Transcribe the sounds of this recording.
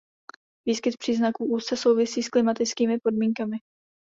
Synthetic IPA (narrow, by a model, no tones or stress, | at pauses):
viːskɪt̪̚pr̥iːznakuːʔuːst͡sɛso̞wvɪsiːsklɪmat̪ɪt͡skiːmɪpo̞dmiːŋkamɪ